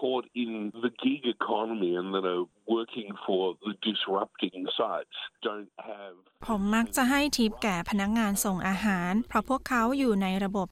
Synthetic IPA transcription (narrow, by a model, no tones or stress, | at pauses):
kʰɔɹɾɪ̃nðɨɡɪɡɨkʰɑnəmiɨ̃nðɨ̃ɾə | wɜ˞kʰɪ̃ŋfə˞ðɨdɨsɹʌp̚tɪ̃ŋsaɪtsd̥õʊ̃nt̚hɨv̥pʰomːak̚t͡ɕaɦajt̪ʰip̚kɛːpʰanak̚ŋaːnsoŋʔaːɦaːnpʰɾɔpʰuəkʰːawjuːnajɾabop̚